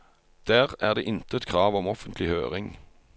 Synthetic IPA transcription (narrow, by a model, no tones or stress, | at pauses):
d̪̥æːʁæːʁd̪eːʔɪnt̪əɛt̪kʰʁɑːʋɔmɔfənt̪ʰlɪhø̰ːʁɪŋ